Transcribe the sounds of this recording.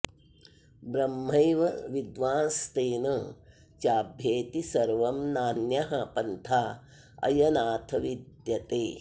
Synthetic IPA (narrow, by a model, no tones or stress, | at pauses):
bɾɐmːɐjʋɐʋid̪ʋaːnst̪eːnɐ | t͡ʃaːbʱjeːt̪isɐɾʋɐmnaːnjɐɦɐpɐnt̪ʰaː | ɐ̰jɐnaːt̪ʰɐʋid̪jɐt̪eː